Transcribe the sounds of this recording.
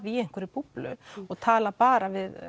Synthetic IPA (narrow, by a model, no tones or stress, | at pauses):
viɛjŋ̥kʰvɛɾɪpuplʏ̰ɔɣt̪ʰaːlapaːɾavɪð